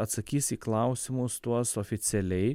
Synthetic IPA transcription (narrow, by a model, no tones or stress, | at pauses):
ɐt̪sɐkʲiːsiːklˠɑˑʊsʲɪmʊst̪uɔsoːfʲɪt̪sʲɛlʲɛɪ